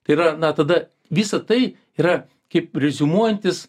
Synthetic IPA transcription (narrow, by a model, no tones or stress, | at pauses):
t̪ɐɪiɾɐnɐt̪ɐd̪ɐ | ʋʲɪsɐt̪ɐɪ | iːɾɐ | kɐɪprʲɛzʲɪmuɔjɛnʲt̪ʲɪs